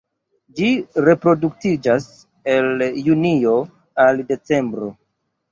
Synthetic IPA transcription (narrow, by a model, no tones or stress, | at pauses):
d͡ʒiɾe̞pɾo̞duk̚tid͡ʒas | e̞ljunio̞ | alde̞t͡se̞mbɾo̞